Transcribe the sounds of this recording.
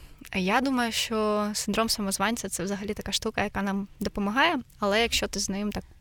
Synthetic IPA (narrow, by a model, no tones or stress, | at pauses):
jad̪umɐjʊʃt͡ʃɔsɪnd̪ɾɔmsɐmɔzʋɑnʲt͡sʲɐt̪sɛwzɐɦɐlʲit̪ɐkaʃt̪ukɐjɐkɑnɑmd̪ɔpɔmɐɦɑjɛɐlˠɛjɐkʃt͡ʃɔt̪ɪznɪɪmt̪ɑk̚